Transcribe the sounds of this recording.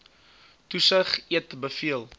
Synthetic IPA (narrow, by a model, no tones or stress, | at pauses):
tusəχiətbəfiəlˠ